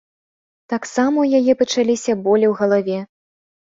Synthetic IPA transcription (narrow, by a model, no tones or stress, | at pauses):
t̪aksamɐjajɛpɐt͡ʂalʲisʲɐbɔlʲɛwɣɐlˠavʲɛ